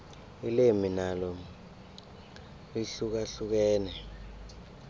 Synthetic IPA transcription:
ileminalɔ | liɬuk̬aɬuk̬ɛːnɛ

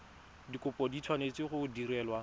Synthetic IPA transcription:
dikʼʊpʼɔditʰwanet͡sʼɪχʊdiɾɛːlwa

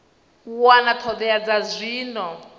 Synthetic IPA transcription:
wanatʰɔd̪ɛad͡zazʷiːnɔ

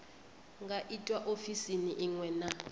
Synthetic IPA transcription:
ŋɡaʔitʼwaʔofisiniʔiŋwɛna

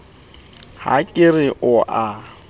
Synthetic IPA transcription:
ha̰kʼɪrɪʔʊʔa

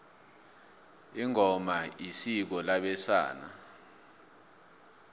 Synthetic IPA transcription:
iŋɔmaisik̬ɔlaɓɛsa̰ːna̰

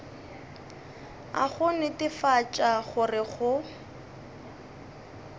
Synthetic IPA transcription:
a̰χʊnɪtɪfat͡ʃʼaχʊrɪχʊ

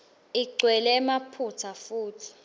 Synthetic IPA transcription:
iɡ͡ǀʱwɛlɛmapʰutʰafuːtʰi̥

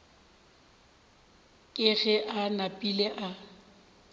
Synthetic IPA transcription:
kʼɪɣɛʔanapʼileʔa

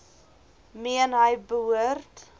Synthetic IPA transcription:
miənɦəjbəɦuərt

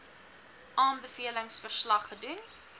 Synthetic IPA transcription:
ʔɑːnbəfiələŋsfərslɐχːədun

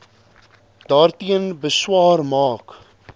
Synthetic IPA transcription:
d̥ɑːrtiənbəswɑːrmɑːk

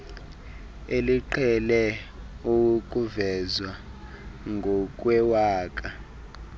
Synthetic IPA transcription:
eliǃʰɛlɛ | ukʼuvɛzwa | ŋɡʱɔk̬ʼwɛwaːkʼa

